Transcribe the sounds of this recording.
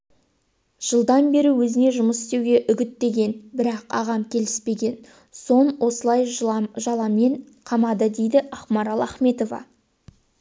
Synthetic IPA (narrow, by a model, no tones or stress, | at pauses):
ʒ̥əlˠd̪ɑnbe̞ɾɪwɵzɪne̞ʒʊməsɪ̥st̪ewɡʲe̞ʔʏɡʲɪt̪ːe̞ɡʲe̞nbɪɾɑqɑ̰ʁɑmkʲʰe̞lɪ̥spe̞ɡʲe̞n | so̞nwʔo̞səlˠɑjɑʒɑlˠɑmeɴ | qʰɑmɑd̪əd̪e̞jd̪ɪɑχmɑɾɑlˠæχme̞t̪o̞vɑ̰